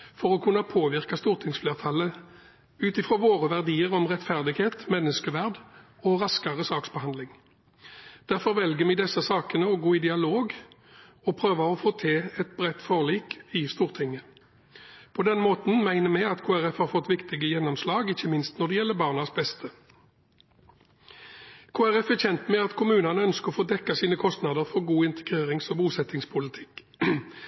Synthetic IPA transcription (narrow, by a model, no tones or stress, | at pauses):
fɔʁɔkʰʉnːɑpʰoːʋɪʁkɑst̪uːʁt̪ʰɪŋsfleːʁt̪ʰɑlə | ʉːt̪ɪfɾoːʋoːʁəʋæʁd̪iːəʁɔmʁɛt̪fæʁd̪ɪɡheːt̪mɛnːəskəʋæʁd̪ | ɔʁɑskɑʁəsɑːksbəhɑnd̪lɪŋ | d̪̥æʁfɔʁʋɛlɡəmɛd̪ɛsːəsɑːkənəɔɡoːɪd̪ɪɑloːɡ | ɔpʰʁøːʋɑɔfoːt̪ʰɛɛt̪bʁɛt̪ːfoːʁliːkɪst̪uːʁt̪ʰɪŋːə | pʰɔd̪ɛnmoːt̪n̩mæɪnəmɛɪɑt̪kʰoːæʁɛfhɑːʁfɔt̪ːʋɪkt̪ɪɡəjɛnɔmslɑːɡɪçːəmɪnst̪nɔʁd̪ɛjɛlːəbɑːʁnɑsbɛst̪ʰə | kʰoːæʁɛfɛçɛnt̪mɛɑt̪kʰʊmʉːnɑnəœnskəʁɔfoːd̪ɛkːɑsiːnəkʰɔst̪nɑd̪əʁfɔʁɡuːɪnt̪ʰə̥ɡʁeːʁɪŋsɔbuːsɛt̪ɪŋspʰʊlɪt̪ʰɪ̥kː